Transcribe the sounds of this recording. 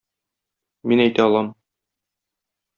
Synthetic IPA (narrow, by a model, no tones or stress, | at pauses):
minæjt̪æɒlˠɑm